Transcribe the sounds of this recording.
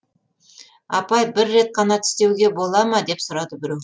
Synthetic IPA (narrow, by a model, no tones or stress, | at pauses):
ɑpɑjbɪɾːe̞t̪̚qʰɑnɑt̪ʰʏ̥st̪e̞wɡʲe̞bo̞lˠɑmɑd̪e̞psʊɾɑd̪əbɪɾew